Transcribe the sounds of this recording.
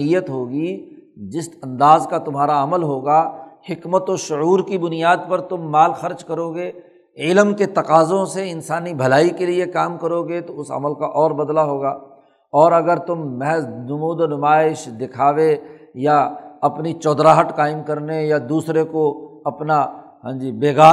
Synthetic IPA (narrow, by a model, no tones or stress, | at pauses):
ijət̪ɦoːɡi | d͡ʒɪsɐ̃nd̪aːzkat̪ʊmɦaːɾaɐməlɦoːɡahɪkmət̪oʃʊuːɾkibʊnijaːd̪̚pɐɾt̪ʊmːaːlxɐɾd͡ʒkɐɾoːɡeː | ɪlmket̪ɐqaːzõseɪnsaːnibʱɐlaːikeliekaːmkɐɾoːɡet̪oʊsɐ̰məlkaʔɔːɾbɐd̪laɦoːɡaː | ɔːɾɐɡəɾt̪ʊmːɛɦznʊmuːd̪onʊmaːɪʃd̪ɪkʰaːʋejaɐpnit͡ʃɔːd̪ɾaːɦəʈkaːɪmkɐɾnejad̪uːsɾekoɐpna | ɦã̰ːd͡ʒibeːɡaː